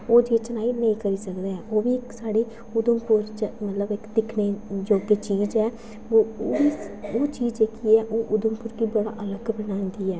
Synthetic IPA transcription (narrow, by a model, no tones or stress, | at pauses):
oːd͡ʒeːt͡ʃənaːiːnəĩːkəɾiːsəkd̪eːɛːʔoːʋiːɪksaːɽeː | ʊd̪əmpʊɾt͡ʃmət̪ləbɪkd̪ɪkʰneːd͡ʒoːkeːt͡ʃiːzɛː | oːʋiːoːt͡ʃiːzd͡ʒeːkiːɛːʔoːʔʊd̪əmpʊɾɡiːbəɽa̰ːʔələɡbənaːʊnd̪iːɛː